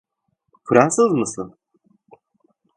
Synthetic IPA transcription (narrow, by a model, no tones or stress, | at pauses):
kʰuɾasɨzmɨsɨn